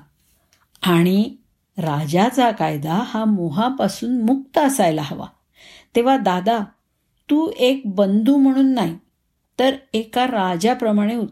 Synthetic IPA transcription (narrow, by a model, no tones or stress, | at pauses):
aɽ̃i | ɾad͡ʑat͡sakajd̪ahamoɦapasuːnmukt̪əəsajlaɦəʋa̰ | t̪eʋ̤ad̪ad̪a | t̪uːek̚bənd̪ʱuːm̤əɽ̃uːnːaɦi | t̪əɾekaɾad͡ʑapɾəmaɽ̃eu